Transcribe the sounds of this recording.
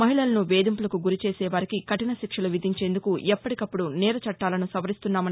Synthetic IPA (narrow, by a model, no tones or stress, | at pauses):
mɐɦiɭɐlɐnuʋeːd̪impulɐkuɡuɾit͡ʃeːsɛːʋaːɾikikɐʈinɐʃikʂɐluʋid̪ʱiɲt͡ʃe̞ːnd̪ukuʔɛpːɐʈikɐpːuɽunɛːɾɐt͡ʃɐʈːaːlɐnusɐʋɐɾist̪unːaːmɐn